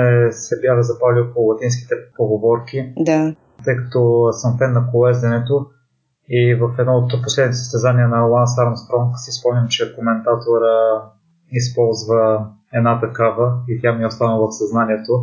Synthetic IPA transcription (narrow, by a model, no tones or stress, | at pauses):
ɛsɛbjaxəzɐpaliokoʊlˠɐt̪inski̥t̪ɛpoɡovɔɾkid̪a | t̪ɤjkɐt̪ɔsɐmfɛnːɐkolɛzd̪ɛnɛt̪o | ivɐfɛd̪nɔot̪poslɛd̪nit̪ɛsəst̪ɛzaniənɐlˠansaɾmst̪ɾɔŋksispɔmnʲimt͡ʃɛkomɛnt̪at̪oɾə | ispɔlˠzvə | ɛd̪nat̪ɐkavəit̪ʲjamiɛost̪anəvɐfsɐznaniɛt̪o